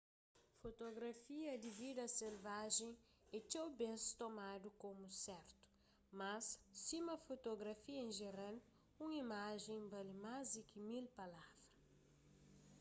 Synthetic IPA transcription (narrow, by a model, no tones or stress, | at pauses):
fot̪oɡɾɐfiɐd̪ɪvid̪ɐselvaʒẽ | ɛt͡ʃewbẽst̪omad̪ukomusɛɾt̪u̥ | mɐsːimɐfot̪oɡɾɐfiɐẽʒeɾal | ũŋimaʒẽj̃balimazd̪ikɪmilpalavɾɐ